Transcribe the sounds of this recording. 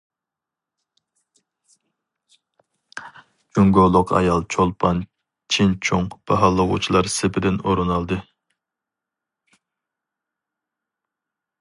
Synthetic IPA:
d͡ʒyŋɡolˠːʊqʰɑ̰jɑlˠt͡ʃʰolˠpʰɑn | t͡ʃʰint͡ʃʰoŋb̥ɑɦɑlˠːəʁʊ̰t͡ʃʰilˠɑɾsɪpʰɪd̪ɪnoɾɨnɑlˠd̪ɨ

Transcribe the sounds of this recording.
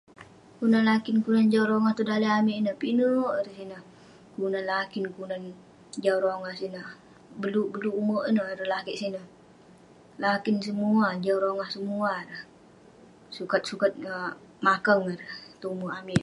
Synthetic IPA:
kunanlakɪnkunand͡ʒawɾoŋaht̪udaləamiʔnəhpinəʔəɾəsinəh | kunanlakɪnkunan | d͡ʒauɾoŋahsinəh | bəlubəluːmoʔənəhɾəlakiʔsinəh | lakɪnsəmuad͡ʒawɾoŋahsəmuaɾəh | sukat̪̚sukat̪̚ə | makəŋaɾəht̪ouməamɪʔ

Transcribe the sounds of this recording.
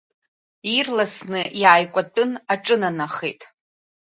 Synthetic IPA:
irlasnɨʔiaːjkʷʼatʼɨnaʈ͡ʂʼɨnanaχḛjtʼ

